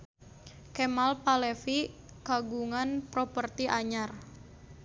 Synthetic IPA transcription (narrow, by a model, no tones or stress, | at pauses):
kɛmalpalɛfi | kaɡuŋanpɾopərt̪iʔaɲar